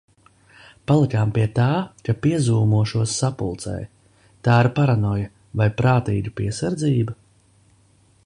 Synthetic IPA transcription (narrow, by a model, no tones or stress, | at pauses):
palˠikaːmpiɛt̪aːkapiɛzuːmuɔʃuɔsːapṵlˠt̪sɛ̰j | t̪aːiɾpaɾanɔja | vajpɾaːt̪iːɡ̪ʲupiɛsaɾd̪ziːba